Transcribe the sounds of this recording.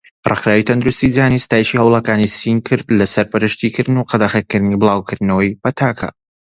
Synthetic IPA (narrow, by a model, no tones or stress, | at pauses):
rɨ̰xɾaːwit̪ʰɐnd̪uɾust̪id͡zaːnist̪aːjiʃihɐwlˠɐkaːnisinkʰɨɾd̪lɐsɐɾpɨɾɨʃt̪ikɨɾd̪ɨnuqɑd̪axɐkːɨɾd̪nibɨlˠaːwkʰɨɾd̪nɐwɐjpɐt̪ʰaːkʰa̰